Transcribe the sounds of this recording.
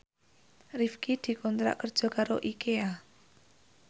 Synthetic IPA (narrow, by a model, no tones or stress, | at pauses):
rifkid̪̥i̤kɔnt̪ɾa̰ʔkərd̥ʒ̥ɔ̤kaɾoʔikea